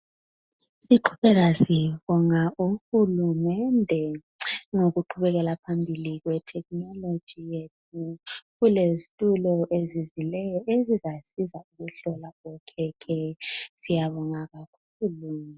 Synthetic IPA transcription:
siǃʰu̥βɛɣasiɛβɔŋauxulumɛndʱɛ | ŋoɣuǃʰuβɛɣɛlapʰambʱiliɣwɛtʰɛk̚ʼnɔlo̥d͡ʒ̥ʱijetʰuɣulezitʼulɔʔezizilɛjɔʔezizasizauɣuɬɔlaɣɔkʰɛkʰɛsijaβɔŋaɣakʰuːlu

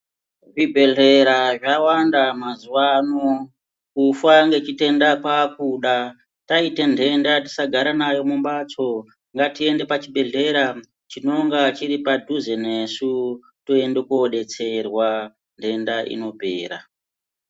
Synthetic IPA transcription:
ʐibʱe̞ɮe̞ɾaʐawandamazuwano | kufaŋɡe̞t͡ʃite̞ndakakuɗa | taite̞ndʱe̞ndati̥saɡʱaɾanajo̞mumɓat͡so̞ | ŋɡatie̞nde̞pat͡ʃiɓe̞ɮe̞ɾa | t͡ʃino̞ŋɡat͡ʃiɾipadʱuzene̞su | toe̞ndekoɗe̞t͡se̞rwa | ndʱe̞ndaʔḭno̞pe̞̰ːɾa

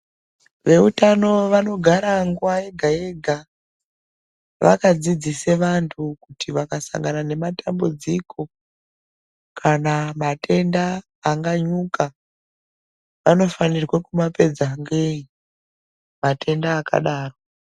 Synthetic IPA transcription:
ʋe̞utano̞ʋano̞ɡʱaɾaŋɡuwajeɡʱae̞ɡʱa | ʋʔa̰kad͡zid͡ziseʋantʰukutʰiʋakasa̰ŋɡanane̞matambud͡ziko̞ | kʰanamatʰe̞ndaː | ŋɡaɲuka | ʋano̞fanirwekumape̞d͡zaŋɡei | matʰe̞ndaːka̰ɗaːro

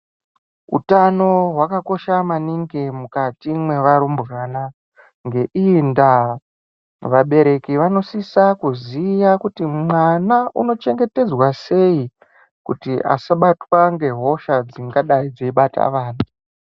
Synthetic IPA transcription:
ṵtano̞ɦwakako̞ʃamaniŋɡemukatimwe̞ʋaɾumbɣaːna | ŋɡe̞ʔinda | ʋaɓe̞ɾe̞kiʋano̞sisakuzijakutimwanaʔuno̞t͡ʃe̞ŋɡe̞te̞d͡zwase̞i | kutiʔa̰saɓatwaŋɡe̞ɦo̞ʃad͡ziŋɡaɗaid͡zeiɓatʰa̰ʋaːna

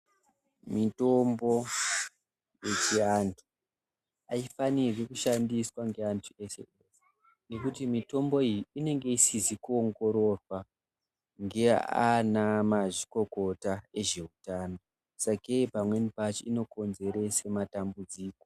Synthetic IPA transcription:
mito̞mbo̞ | je̞t͡ʃiantʰu̥ | aifanirwekuʃandiswaŋɡe̞antʰuesḛese | ne̞kutimito̞mbo̞ijiine̞ŋɡe̞isizikuoŋɡo̞ɾo̞ra | ŋɡe̞anamaʐiko̞ko̞tae̞ʐe̞utaːno̞ | sakeipamwenipat͡ʃiino̞ko̞nze̞ɾe̞sematambud͡ziːko

